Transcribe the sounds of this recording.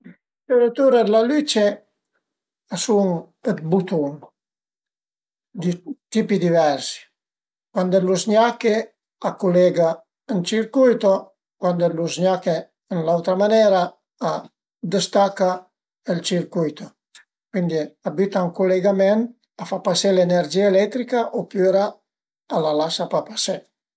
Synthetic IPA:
teɾət̪uɾad̪lalyt͡ʃe | asuŋ | ət̪but̪uŋ | d̪it̪ipid̪ivɛɾsi̥ | kwand̪eluzɲake | akulɛɡa | ənt͡ʃiɾkujt̪o | kwand̪eluzɲake | ənlawt̪ɾamanɛːɾaː | d̪əst̪akːa | əlt͡ʃiɾkujt̪o | kwind̪iabit̪auŋkuleɡamɛnt̪ | afapasɛleneɾd͡ʒiːaelɛt̪ːɾikaʔopyɾaː | lalasapapasɛ

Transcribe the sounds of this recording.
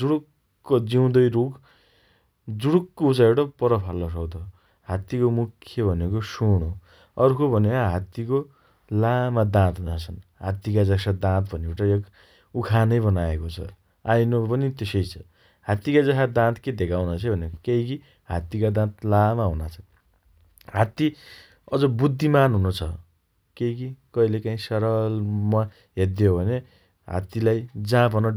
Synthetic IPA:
d͡zuɽukː | od͡ziw̃d̪ʌjɾoɡ | d͡zuɽukːout͡saewʈʌpʌɾʌpʰalːʌs̬ʌkt̪ʌ | ɦat̪ikomukʰːjʌbʱʌnekosuɽ̃o | ʌrkobʱʌnekaɦat̪iko | lamad̪ãt̪ɦunat͡sʰʌnɦat̪ːikad͡zʌsad̪ãt̪bʱʌneuʈʌjek | ukʰanʌjbʌnaekot͡sʰʌ̰ | ajnopʌnit̪esʌjt͡sʰʌ | hat̪ikad͡zʌɦad̪ãt̪ʰked̪ekʰawnat͡sʰʌbʱʌnekejki | ɦa̰t̪ikad̪ãt̪lamaɦunat͡sʰʌn | ɦat̪i | ʌd͡zʌbud̪ʱːimanɦunot͡sʰʌ | keikikʌilekaĩsʌɾʌlma | ɦed̪jobʱʌne | ɦa̰t̪ilajd͡zãpʌnʌ

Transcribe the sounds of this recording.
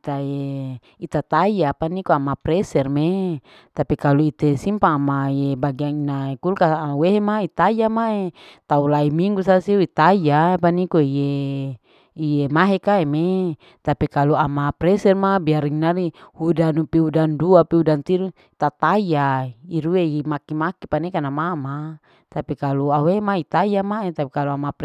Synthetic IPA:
it̪ae | it̪at̪ajapanikoamapɾɛsɛrme | t̪apikaluit̪esimpaːmajebaɡiaŋinaekulkaweɦemait̪ajamaet̪aulaimiŋɡusasiuit̪ajapanikoije | ijemaɦekaeme | t̪apikaluamapɾɛsɛrmabiaɾiŋinaɾihudanupiudanduapiudant̪iɾu | t̪at̪ajaiɾueimakimakipanikanamama | t̪apikaluaweemait̪ajamaet̪apikaluamap

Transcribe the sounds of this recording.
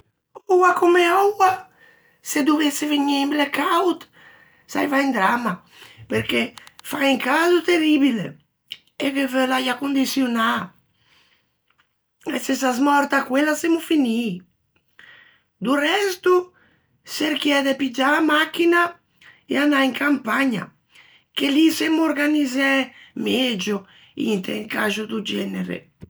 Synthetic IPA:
ɔwakomeɔwa | sed̪uveseveɲiimblekawt̪ | sa̰jvaind̪ɾama | peɾkefaiŋkazut̪eribilḛ | evevølajakund̪isjona | esesazmɔɾt̪akːwelːasemːufini | d̪urɛst̪u | seɾk̟jɛd̪epid͡ʒaːmakːina | ḛanaiŋkʰampaɲa̰ | kelisemuoɾɡanizɛmɛd͡ʒo | ḭnt̪ḛŋkaʒud̪ud͡ʒɛneɾḛ

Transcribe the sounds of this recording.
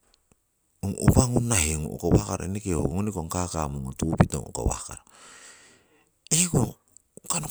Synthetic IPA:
uŋṵpaŋunahiŋoo̰kowahkaɾaenekeo̰ŋonikoŋkakamuŋotupito̰ŋo̰ko̰wa̰kaɾa | eko | kano

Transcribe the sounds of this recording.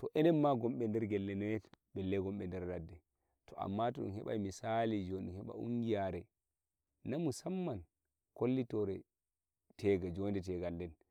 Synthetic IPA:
tɔʔɛnɛnːaɡɔmɓɛndɛɾɡɛlːɛnɔɛbɛlːɛɡɔmɓɛndɛɾdadːɛ | tʰɔʔa̰mːatɔɗṵnhɛ̰ɓa̰jmisalid͡ʒoɗunhɛɓa̰ṵŋɡijaɾɛ | namusamːan | kolːitɔɾɛ | tʰɛɡad͡ʒɔndɛt̬ɛɡaldɛn

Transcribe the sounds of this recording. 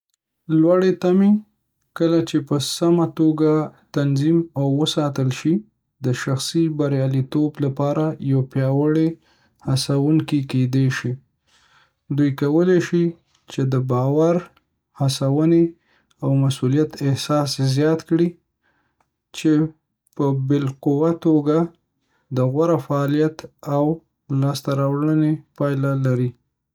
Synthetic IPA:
lwaɽet̪ame | kəlat͡ʃepəsamat̪oɡat̪anzimawːəsɑt̪əlʃi | d̪əʃaxsibaɾjɑlit̪oblapɑɾajawpjɑwəɽe | hasawuŋkiked̪eʃi | d̪ujkawəleʃi | t͡ʃed̪əbɑwaɾ | hasawəne | awmasulijat̪ɪhsɑszjɑt̪kɽi | t͡ʃe | pəbɪlqʊwat̪oɡa | d̪əɣwaɾafaːlijat̪aw | lɑst̪aɾawɽənepɑjlalaɾi

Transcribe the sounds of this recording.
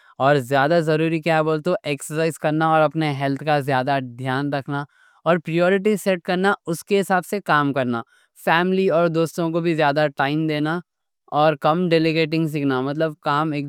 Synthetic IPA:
ɔːɾzjaːd̪azɐɾuːɾikjaːboːlt̪oʔeːksəsaːɪzkɐɾnaɔːɾɐpneɦɛlt̪ʰkazjaːd̪ad̪ʱjaːnɾɐkʰna | ɔːɾpɾijɔːɾɪʈ̬iseʈ̚kɐɾnaʊskeɦɪsaːbsekaːmkɐɾna | fɛːmliɔːɾd̪oːst̪õkobʱizjaːd̪aʈaːɪmd̪eːna | ɔːɾkɐmɖeːlɪɡeːʈɪ̃ŋɡs̬iːkʰnamɐt̪̬ləb̚kaːmeːk

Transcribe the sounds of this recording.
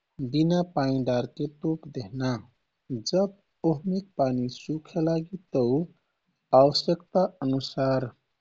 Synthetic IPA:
binapaĩɖaɾket̪opd̪eɦna | d͡ʒəb̚ | oɦmik̚panisukʰelaɡit̪əw | awəsjəkt̪aənusaɾ

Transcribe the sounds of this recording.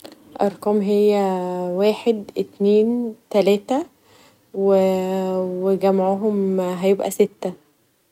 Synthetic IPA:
ʔɑɾˤkɑːmɦejːæwæːħed̪ʔet̪neːnt̪ælæːt̪æ | we | weɡæmaʕoɦomɦæjebʔæ̰set̪ːæ

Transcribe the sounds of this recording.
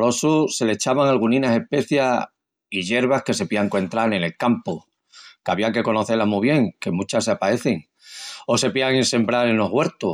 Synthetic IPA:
ɾo̞suse̞le̞t͡ʃaβaŋalɣ̞unĩnase̞hpe̞θja | iʝe̞ɾβ̞ahke̞se̞piaŋkoent̪ɾale̞ne̞lkampo | kaβiaŋke̞ko̞no̞θelamuβ̞je̞ŋke̞mut͡ʃaseapae̞θeŋ | o̞se̞piaŋense̞mbɾaɾeno̞ɦɣwe̞ɾt̪o

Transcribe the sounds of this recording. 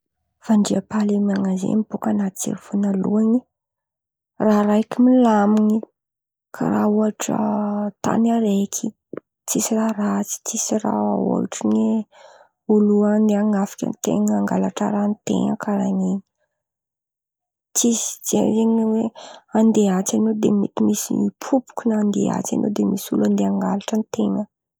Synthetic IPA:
faɳɖ͡ʐiapalemiaŋazḛmibukanat͡sḛɾifunaluani | raɾajkimilamiɲi | kʰa̰ɾauaʈ͡ʂə̰t̪a̰naɾekʰi | t͡sisirarat͡si̥t͡sisira̰o̰ʈ͡ʂine | uluand̪eaŋafi̥kʲa̰nit̪ḛŋəaŋɡalaʈ͡ʂa̰ɾanit̪ḛŋəkaɾanini | t͡sisi̥z̥ezeŋneweand̪eat͡sanod̪emet̪imisipʰupu̥kʲunaand̪ḛa̰t͡sa̰no̰d̪emisuland̪eaŋɡalaʈ͡ʂənit̪eŋə

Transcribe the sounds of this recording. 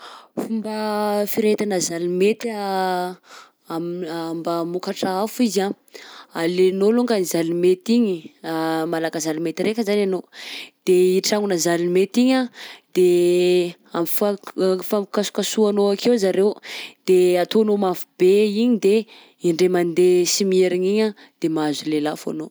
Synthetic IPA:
fumbafiɾet̪anəzalimet̪a | ambamukaʈ͡ʂaafuiza | alenoluŋɡanizalimet̪iɲimalakazalimet̪iɾekəzananod̪̥eiʈ͡ʂaŋunəzalimet̪iɲad̪̥e | amifafamkasu̥kasuanoakʰewzaɾewd̪̥eat̪oanomafub̥eiɲid̪e | iɳɖ͡ʐemand̪esimieɾiɲiɲa | d̪̥emazulelafa̰no

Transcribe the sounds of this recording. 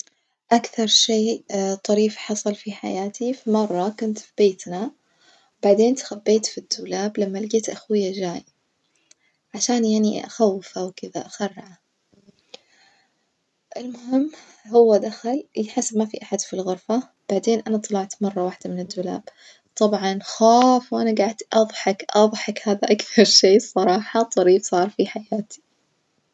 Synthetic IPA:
ʔakθɑɾˤʃeːt̪ˤɑɾiːfħɑsˤɑlfiħa̰jaːt̪ifimɑrˤːɑkʊnt̪fibeːt̪na | wbaʕd̪eːnt̪xabːeːt̪fid̪ːuːlaːblamːalɪɡeːt̪ʔaxwɪjːad͡ʒaːj | ʕaʃaːnjaʕniʔʔa̰xawːɪfawkɪða̰ʔaxarːaʕa | ʔɪlmʊɦɪmː | hʊwːad̪axaljħasːbmafiʔaħad̪filɣʊɾfa | b̥aʕd̪eːnʔanat̪ˤːɑlɑʕt̪mɑrˤːɑwaːħd̪amɪnɪd̪ːuːla̰ːb | t̪ˤɑbʕɑnxaːfwʔanaɡaʕd̪ʔɑðˤħɑkʔɑðˤħɑkhaːðaʔakθɑɾˤʃeːsˤɑɾˤɑːħɑt̪ˤɑɾiːbsˤɑːɾˤfiħajaːt̪ʰi̥

